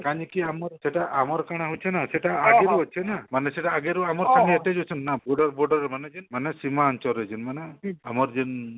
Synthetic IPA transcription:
kaɲikiamɔɾseʈaʔamɔɾkaɽ̃eɦut͡ʃʰenaseʈaːɡeɾuɔt͡ʃʰenamaneseʈaːɡeɾuamɔɾkʰanieʈed͡ʒot͡ʃʰɔnnabɔɾɖɔɾbɔɾɖɔɾemaned͡ʒinmanesimaɔnt͡ʃɔɾed͡ʒinmaneamɔɾd͡ʒin

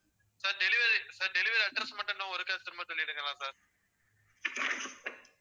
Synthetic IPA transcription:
saːɾɖɛlɪʋɐɾsaːɾɖɛlɪʋɐɾɐɖɾɐsmɐʈːɐnnãːɔɾɯkɐt̪ɪɾɯmɐt̪ɐɭːɪɪɽɯkːɾɐlãːsaːɾ

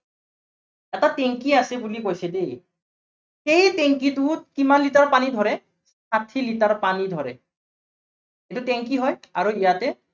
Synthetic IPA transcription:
ɛtateŋkiasɛbulikojsɛdej | xejteŋkitukimanlitaɹpanid̪ʱɔɹɛ | satʰilitaɹpanid̪ʱɔɹɛ̰ | ejtuteŋkiɦɔjaɹuijatɛ

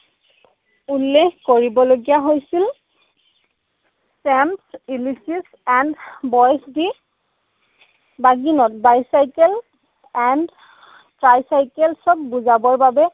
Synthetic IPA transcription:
ulːexkoɹibɔloɡijaɦojsil | sɛmsilisis | ɛndbɔjsdi | baɡinɔtbajsajkɛl | ɛnd | tɹajsajkɛlsɔb̚buzabɔɹbabɛ

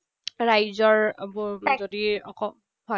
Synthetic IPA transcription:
ɹajzɔɹa̰bɔzodiɔ̰kɔm | hɔ

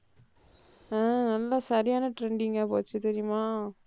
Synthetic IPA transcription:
ãːnɐlːɐsɐɾɪjaːnɐʈɾɛɳɖɪŋɡɐpo̰ːt͡ʃːɯt̪ɛɾɪjʊmaː

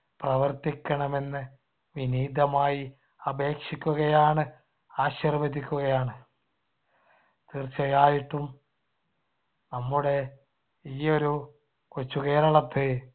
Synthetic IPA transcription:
prɐʋɐrt̪ikʲːɐɳɐme̞nːɨ | ʋiniːd̪ʱɐmaːji | ɐbʱe̞ːkʂikʲːuɣɐjaːɳɨ | aːɕirʋɐd̪ikʲːuɣɐjaːɳɨ | t̪irt͡ɕːɐjaːjiʈːum | nɐmːuɽe̞ | iːo̞ɾu | kut͡ɕːuke̞ːɾɐɭɐt̪ːɨ

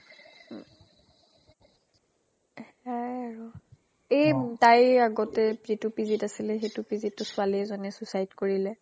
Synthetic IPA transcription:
ajaɹu | ejtajaɡɔtɛzitupizitasilɛxetupizitːʊsʊaliɛzɔnɛsusajtkoɹilɛ

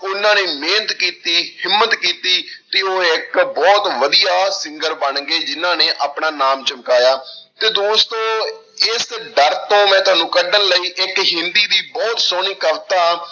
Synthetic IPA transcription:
ʊnãːneːmeːnət̪kiːt̪iːhɪmːət̪kiːt̪iːt̪eːoːɪkbɔːt̪ʋəd̪ijaːsɪ̃ŋɡəɾbəɳɡeːd͡ʒɪnãːneːʔaːpɳaːnaːmt͡ʃəmkaːjaːt̪eːd̪oːst̪õː | ɪsɖəɾt̪õːmɛ̃ːt̪ʊɦaːnũːkəɖənləiːʔɪkɦɪ̃nd̪iːd̪iːbɔːt̪soːɳ̃iːkəʋt̪aː

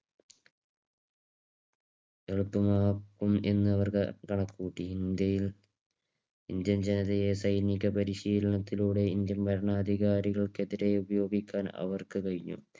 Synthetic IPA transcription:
eɻupːumaːkːume̞̰nːɨɐʋɐrkɐkɐɳɐkʰːuːʈːiind̪jɐjil | ind̪jɐmd͡ʑenɐðɐjesɐjniɣʲɐpɐɾiɕiːlɐɳɐt̪ːiluːɽe̞ind̪jɐmpɐɾɐɳaːd̪ʱiɣaːɾiɣɐɭke̞ðiɾe̞ubɐjo̞ːɡikʲːaːnɐ̰ʋɐrkɨkɐɻiɲːṵ

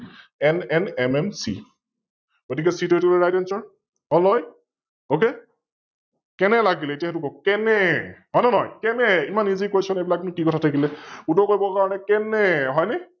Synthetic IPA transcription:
ɛnɛnɛmɛmsḭ | ɡ̥otikɛsitotuleɹajdɛnsɔɹ | ɔlɔj | ok̬e | kɛnɛlaɡilɛetaɦtʊkɔkkɛnɛɦɔjnɔnɔjkɛnɛimanːizikojsɔnejbilaknʊkikɔtʰatʰakilɛutɔkoɹjbɔkaɹɔnɛkɛnɛɦɔjnɛ

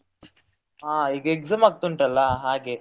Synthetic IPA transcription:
aːiːɡɐekzaːmaːɡ̚t̪uɳʈɐlːɐɦaːɡeː

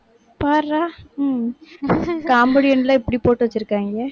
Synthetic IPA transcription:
paɾaː | kaːmbɐɽɪjɐnlãːɪpːɐɽipoːʈːɯʋɐt͡ʃːɯɾɯkːaːŋɡɐ

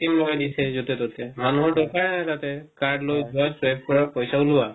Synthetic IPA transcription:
timlojadisɛzotɛtɔtɛmanuɦɔɹdɔkaɹnatatɛkaɹdlojzuasɛp̚kɔɹapɔjsauluwa

